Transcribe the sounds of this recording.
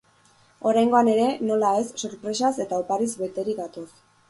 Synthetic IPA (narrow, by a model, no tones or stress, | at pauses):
o̞ɾajŋɡo̞ane̞ɾe̞no̞lae̞sːoɾpɾe̞sase̞t̪aopaɾizβe̞t̪e̞ɾiɣat̪os